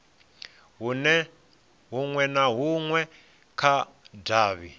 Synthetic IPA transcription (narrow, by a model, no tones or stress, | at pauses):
ɦunɛ | ɦuŋwɛnaɦuŋwɛ | kʰa | daːβi